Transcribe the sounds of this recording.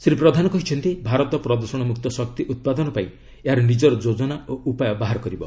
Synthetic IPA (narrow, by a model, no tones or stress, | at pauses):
sɾipɾɔd̪ʱanɔkɔɦit͡ʃʰɔnt̪ibʱaɾɔt̪ɔpɾɔd̪ɔɾsɔɽ̃ɔmuk̚t̪ɔsɔk̚t̪iʔut̪̚pad̪ɔnɔpaĩ | eɦaɾɔnid͡ʒɔɾɔd͡ʒod͡ʒɔnaoʔupajɔbaɦaɾɔkɔɾibɔ